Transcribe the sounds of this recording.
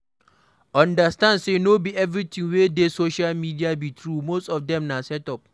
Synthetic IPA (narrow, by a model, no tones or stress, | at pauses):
ãndəstãndsenobiɛvɹit̪ʰĩŋwedesoʃalmidiabit̪ʰɹumostɔfdɛ̃mnasɛtɔp̚